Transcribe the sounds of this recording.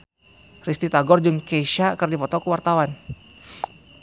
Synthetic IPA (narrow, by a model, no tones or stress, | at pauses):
rist̪it̪aɡɔrd͡ʒɨŋkeʃakərdipɔt̪ɔkəwart̪awan